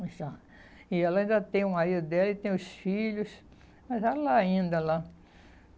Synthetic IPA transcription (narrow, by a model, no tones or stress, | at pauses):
sa | ɪɛlɐaĩd̪ɐt̪ẽj̃ũmaɾid̪ʊd̪ɛlɐɪt̪ẽj̃ʊsfiʎʊs | mɐzalaaĩnd̪ɐla